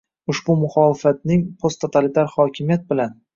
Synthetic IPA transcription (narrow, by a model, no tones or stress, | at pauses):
ʊʃbʊmʊχɒːlɪfat̪̚nɪŋpʰost̪ʰot̪ʰalɪt̪ʰaɾhɒkʲɪmijat̪̚bɪlan